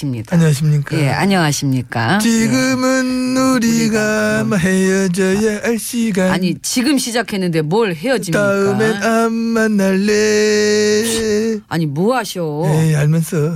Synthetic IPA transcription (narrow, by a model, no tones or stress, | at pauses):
imɲḭdaɲʌaɕʰimɲik͈ajḛa̰ɲʌŋaɕʰimɲik͈a̰t͡ɕiɡɯmɯnːuɾiɡamaɦejʌd͡ʑʌjeaɭɕ͈iɡaaɲit͡ɕiɡɯmɕʰid͡ʑakʰe̞nːɯnde̞mwʌɭɦe̞jʌd͡ʑimtaɯmenamːanːaɭːe | a̰ɲimoaɕʰiojeaɭmjʌnsʰʌ